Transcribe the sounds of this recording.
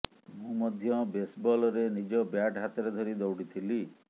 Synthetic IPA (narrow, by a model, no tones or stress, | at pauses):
mũmɔd̪ʱjɔbesbɔlɔɾenid͡ʒɔbjaʈɦat̪ɔɾed̪ʱɔɾid̪ɔwɽit̪ʰili